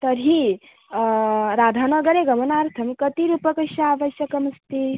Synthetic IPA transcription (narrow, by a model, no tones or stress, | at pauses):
t̪əɾi | ɾad̪ʱanəɡəɾeɡəmənaɾt̪ʰəmkət̪iɾupəkəsjəaʋəsjɐkəməst̪i